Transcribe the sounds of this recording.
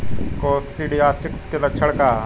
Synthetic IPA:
koːt̪siɖiaːsɪkskelɐk̚t͡ʃʰəɽkaː

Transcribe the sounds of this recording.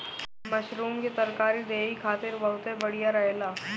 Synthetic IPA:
mɐʃɾuːmket̪ɐɾkaːɾid̪eːikʰaːt̪ɪɾbɐɦʊt̪ebɐɽijaɾɐɦelaː

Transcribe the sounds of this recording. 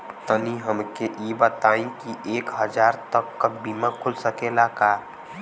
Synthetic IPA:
t̪əniɦəmkeʔibət̪aːĩkiʔeːkɦəd͡ʒaːɾt̪əkːabiːmãkʰʊlsəkelaka

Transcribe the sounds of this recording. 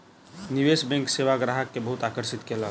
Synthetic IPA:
niʋesbɛ̃ŋkseʋaɡɾaɦəkːebəɦut̪akəɾsit̪kelək

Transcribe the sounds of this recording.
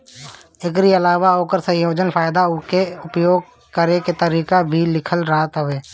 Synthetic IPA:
ɪkɾiɐlaːʋaoːkəɾsə̃ɦjoːd͡ʒənfʰaːɪd̪aʊkeʊpjoːɡ̚ | kəɾeket̪əɾiːkabʱilɪkʰəlɾaːət̪ɦʊʋeː

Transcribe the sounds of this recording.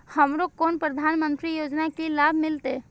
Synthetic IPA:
hɐmɾokoːnpɾəd̪ʱaːnmə̃nt̪ɾijoːd͡ʒnakilaːbʱmɪlt̪e

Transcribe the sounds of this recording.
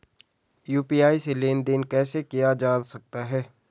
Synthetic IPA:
juːpijaːiseleːnd̪ɪnkɛːsekijad͡ʒaːnsɐk̚t̪aɦɛː

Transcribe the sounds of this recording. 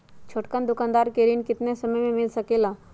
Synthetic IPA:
t͡ʃʰoːʈkand̪ʊkãːnd̪aːɾkeːɾinkɪt̪nesɐməjmẽmɪlsɐkeːlaː

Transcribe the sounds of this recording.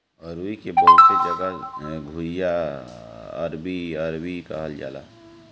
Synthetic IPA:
əɾuikebəɦʊt̪sed͡ʒəɡəɡʱuja | ə̰ɾbiəɾwika̰ɦəld͡ʒa̰ːla̰ː

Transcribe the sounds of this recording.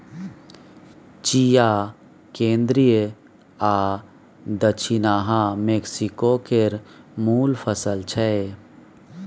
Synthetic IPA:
t͡ʃija | kẽːnd̪ɾijə | aː | d̪ət͡ʃʰinaːɦãmeːksikokeɾmuːlpʰəsəlt͡ʃʰɛe

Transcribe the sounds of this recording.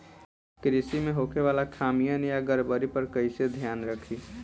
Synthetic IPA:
kɾisimẽɦokʰeʋaːlakʰaːmijənjaɡəɾbəɾipəɾkəɪsed̪ʱjaːnɾəkʰi

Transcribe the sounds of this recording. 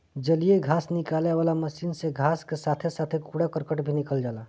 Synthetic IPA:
d͡ʒəlieɡʱaːsnɪkaːleʋaːlaməsiːnseɡʱaːskesaːt̪ʰesaːt̪ʰekuːɽakəɾkəʈbʱinɪkəld͡ʒaːlaː

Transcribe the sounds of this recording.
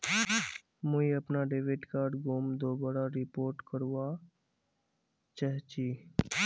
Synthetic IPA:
muiəpnaɖeʋeʈkaːɾɖɡomd̪obəɽaɾɪpoːɾʈkəɾʋa | t͡ʃaɦt͡ʃi

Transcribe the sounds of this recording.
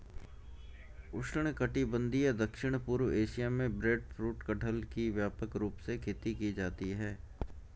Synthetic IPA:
ʊʃəɳ̃kəʈibə̃nd̪ʱied̪ɐkʃɪɽ̃puːɾʋeːʃijamẽbɾeːɖfɾuːʈkəʈʰəlkiʋjaːpəkɾuːpsekʰeːt̪ikid͡ʒaːt̪iɦɛː

